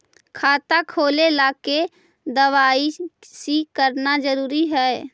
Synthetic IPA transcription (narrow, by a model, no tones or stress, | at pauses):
kʰaːt̪akʰoːlelaːke | d̪əʋaːisikəɾnad͡ʒəɾuːɾiɦɛː